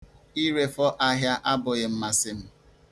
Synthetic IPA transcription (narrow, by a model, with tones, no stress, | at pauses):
i˦ɾe˦fɔ˦ʔa˦ɦja˦ʔa˦bʊ˨ɣɪ˨m̩˦ma˨sɪ˨m̩˦